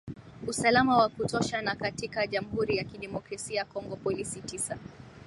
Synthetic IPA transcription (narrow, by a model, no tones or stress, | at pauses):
usalamawakutɔʃanakatikaʄam̩huɾijakiɗɛmɔkɾasiakɔŋɡɔpɔlisitisa